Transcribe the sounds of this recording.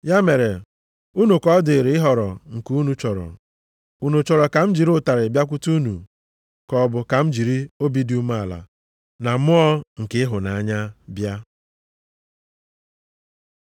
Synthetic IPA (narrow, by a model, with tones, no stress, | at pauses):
ja˦me˨ɾe˨ | u˦nu˨kɔ˦dɪ˨ɾɪ˨˦ɪ˦ɦɔ˨ɾɔ˨ŋ̩˨ku˦nu˨t͡ʃɔ˨ɾɔ̰˨ | u˦nu˨t͡ʃɔ˨ɾɔ˨ka˨m̩˦d͡ʒi˨ɾʊ˦ta˨ɾɪ˨bja˦k̬ʷu˦tu˦nu˨ | kɔ˨bʊ˨ka˨m̩˦d͡ʒi˨ɾi˦o˦bi˦di˦u˦ma˦˨la̰˨ | na˨mʊ˦ɔ˦ŋ̩˨kɪ˦ɪ˦ɦʊ˨na˨a˦ɲa˦bja˦